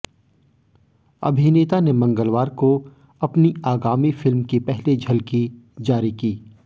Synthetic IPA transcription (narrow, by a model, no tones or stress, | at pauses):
ɐ̰bʱineːt̪anemɐ̃ŋɡəlʋaːɾko | ɐpniaːɡaːmifɪlmkepɛɦled͡ʒʱɐlkid͡ʒaːɾikiː